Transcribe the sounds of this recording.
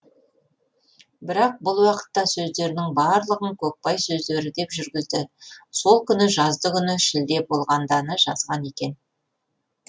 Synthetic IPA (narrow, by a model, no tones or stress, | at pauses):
bɪɾɑq̚bʊlˠwɑqə̥t̪ːɑsɵzd̪e̞ɾɪnɪŋbɑɾlˠəʁəŋkʲʰɵk̚pɑjsɵzd̪e̞ɾɪd̪e̞pʒʏɾɡʲɪzd̪ɪso̞lˠkʲʰʏnɪʒɑzd̪əkʲʰʏnɪʃɪld̪e̞bo̞lˠʁɑnd̪ɑnəʒɑ̰zʁɑne̞kʲe̞n